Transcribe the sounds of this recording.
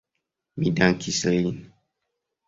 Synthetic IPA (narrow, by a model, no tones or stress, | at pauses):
midãŋkʰisəlin